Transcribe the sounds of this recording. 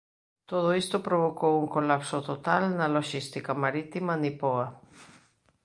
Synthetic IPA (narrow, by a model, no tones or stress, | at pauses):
t̪oðoist̪opɾoβ̞okowuŋkolapsot̪ot̪alnɐloʃist̪ikamaɾit̪imanipoa